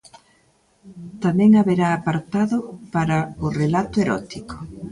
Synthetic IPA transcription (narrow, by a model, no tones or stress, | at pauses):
t̪amɛ̃ŋaβeɾaːpaɾt̪aðʊpaɾɐʊrelat̪ʊeɾɔ̰t̪ikʊ̥